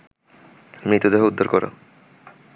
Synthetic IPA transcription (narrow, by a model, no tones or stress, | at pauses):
mɾit̪ud̪eɦoud̪ʱːoɾkoɾo̰